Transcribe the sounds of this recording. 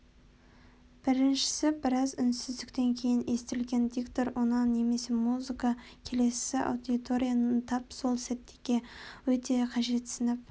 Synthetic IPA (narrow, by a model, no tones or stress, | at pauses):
b̥ɪɾɪnʃɪ̥sɪbɪɾɑzʏnsɪzd̪ɪkt̪e̞ŋkʲʰe̞jɪne̞st̪ɪlɡʲe̞nd̪ʲikt̪o̞ɾwo̞nɑnːe̞me̞semuzɨkɑkʲʰe̞le̞sɪʔa̰wd̪ʲit̪o̞ɾʲijant̪ʰɑpso̞lˠsæt̚t̪ʰːe̞ɡʲe̞wɵt̪e̞qʰɑʒe̞t̪sənɑp